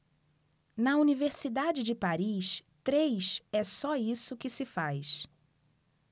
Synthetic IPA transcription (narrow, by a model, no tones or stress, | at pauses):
nɐuniveɾsid̪ad͡ʒɪd͡ʒɪpaɾiʃt̪ɾejʃɛsɔisʊkɪsɪfajʃ